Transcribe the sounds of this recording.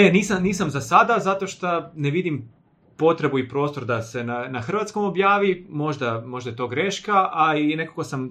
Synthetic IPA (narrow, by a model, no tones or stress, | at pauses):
eniːsamniːsamzasad̪azat̪o̞ʃt̪aneʋid̪im | po̞t̪ɾe̞buipɾo̞ːst̪o̞ɾd̪ase̞nanaxr̩ʋat̪sko̞mo̞bjaːʋimo̞ʒd̪amo̞ʒd̪ajet̪o̞ːɡɾe̞ʃkaʔaine̞kakosam